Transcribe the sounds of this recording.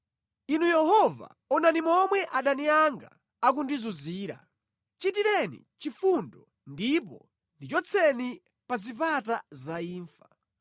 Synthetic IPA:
inujɛɦɔva̰ | ɔnanimɔmwɛʔaɗaniaŋɡa̰ | ak̬undizuziːɾa̰ | t͡ʃitiɾɛnḭ | t͡ʃifundɔ | ndip̬ɔ̰ | ndit͡ʃɔt͡sʰɛni | pazipatazaiːɱfḁ

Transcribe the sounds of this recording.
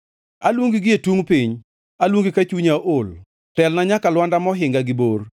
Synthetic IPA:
alwuŋɡɪɡɪetuŋpiɲ | alwuŋɡikat͡ʃuɲaʔol | tɛlnaɲakalwandamɔɦɪŋɡaɡɪbor

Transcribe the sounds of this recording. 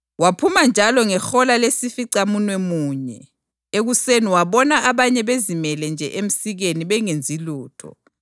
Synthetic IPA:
wapʰumand͡ʒʱalɔŋɛxɔlalesifiǀamunwɛmuːɲɛ̰ | eɣuseniwaβɔnaaβaɲɛβezimɛlɛnd͡ʒʱɛ̰ʔem̩siɣeniβɛŋend͡zʱiluːtʰɔ̰

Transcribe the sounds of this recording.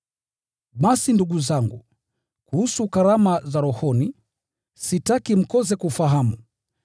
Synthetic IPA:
ɓasinduɠuzaŋɡu | kuhusukaɾamazaɾɔhɔni | sitakim̩kɔzɛkufaɦamu

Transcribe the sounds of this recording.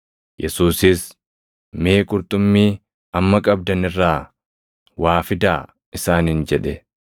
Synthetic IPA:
jʔɛsuːsɪs | meːkʼʊɾt̪ʼʊmːiː | ɐmːɐkʼɐb̚d̪ɐnɪrːaː | waːfɪd̪aː | ɪsaːnhɪnd͡ʒɛᶑɛ

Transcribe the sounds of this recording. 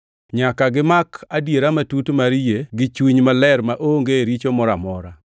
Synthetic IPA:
ɲakaɡɪmakadjeɾamatutmaɾjeɡɪt͡ʃwiɲmalɛɾmaʔoŋɡeɾit͡ʃomɔɾamɔɾa

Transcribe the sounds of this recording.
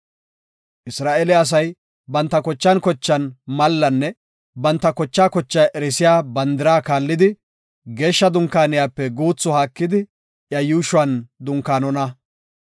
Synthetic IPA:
ʔɪsɾaːʔɛlɛɐs̬ɐj | bɐnt̪ːɐkɔt͡ʃːɐnkɔt͡ʃːɐnmɐlːɐnːɛ | bɐnt̪ːɐkɔt͡ʃːaːkɔt͡ʃːɐjʔɛɾɛsɪjaːbɐnd̪ɪɾaːkaːlːɪd̪ɪ | ɡe̞ːʃːɐd̪ʊŋkːaːnɪjaːpːɛɡuːt͡sːɔhaːkːɪd̪ɪ | jɐjuːʃʊɐnd̪ʊŋkaːnɔnɐ

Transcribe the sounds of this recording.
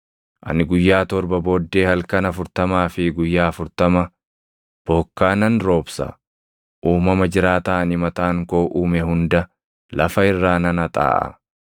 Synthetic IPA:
ʔɐ̰nɪɡʊjːaːt̪ɔɾbɐbo̞ːd̪ːe̞ːhɐlkɐnɐfʊɾt̪ɐmaːfɪɡʊjːaːfʊɾt̪ɐmɐ | b̥ɔkːaːnɐnɾo̞ːbsɐ̰ | ʔuːmɐmɐd͡ʒɪɾaːt̪aːnɪmɐt̪aːŋko̞ːʔuːmɛhʊnd̪ɐ | lɐfɐɪrːaːnɐnɐt̪ʼa̰ːʔɐ̰

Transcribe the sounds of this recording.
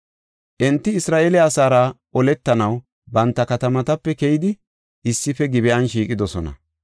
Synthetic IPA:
ʔɛnt̪ːɪɪsɾaːʔeːlɛɐsaːɾaʔɔlɛt̪ːɐnɐw | bɐnt̪ːɐkɐt̪ɐmɐt̪ɐpːɛkɛjɪd̪ɪ | ʔɪsːɪfɛɡɪbɛʔɐnʃiːkʼɪd̪ɔsɔnɐ̰

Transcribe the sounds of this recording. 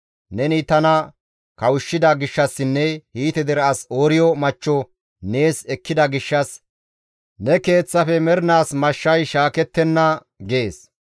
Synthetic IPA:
nɛnɪt̪ɐnɐ | kɐwʊʃːɪd̪ɐɡɪʃːɐsːɪnːɛhiːt̪ɛd̪ɛɾɐɐsoːɾɪjɔmɐt͡ʃːɔ | ne̞ːsɛkːɪd̪ɐɡɪʃːɐs | nɛke̞ːt͡sːɐfɛmɛɾɪnaːsmɐʃːɐjʃaːkɛt̪ːɛnːɐ | ɡe̞ːs

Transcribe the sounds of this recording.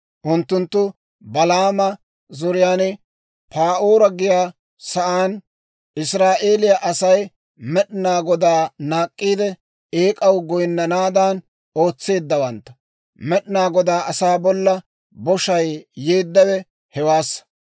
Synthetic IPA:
ʔʊnt̪ːʊnt̪ːʊ | bɐlaːmɐ | zɔɾɪjaːnɪ | paːʔoːɾɐɡɪjaː | sɐʔaːn | ɪsɾaːʔe̞ːlɪjɐʔɐsɐj | mɛɗɪnaːɡɔd̪aːnaːkʼːiːd̪ɛ | eːkʼɐwɡɔjnːɐnaːd̪aːn | o̞ːt͡sːe̞ːd̪ːɐwɐnt̪ːɐ̥ | mɛɗɪnaːɡɔd̪aːʔɐsaːbɔlːɐ | bɔʃɐjjeːd̪ːɐwɛ | hɛwaːsːɐ

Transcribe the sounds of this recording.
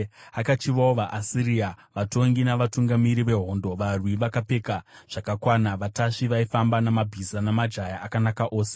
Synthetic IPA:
akat͡ʃiʋaoʋaʔasiɾiaʋato̞ŋɡinaʋatuŋɡamiɾiʋe̞ɦo̞ːndo̞ʋarwiʋakape̞kaʐ̥akakwanaʋataʂiʋaifambanamabʱizanamad͡ʒajaʔakanakaʔo̞ːse̥

